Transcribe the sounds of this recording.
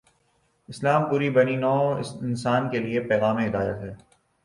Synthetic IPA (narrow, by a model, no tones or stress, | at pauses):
ɪslaːmpuːɾibɐninɔːɪnsaːnkeliepɛːɣaːmẽɦɪd̪aːjət̪ɦɛː